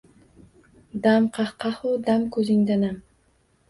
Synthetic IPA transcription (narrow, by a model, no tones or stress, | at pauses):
d̪amqʰɑχqɑhod̪amkɵziŋd̪anam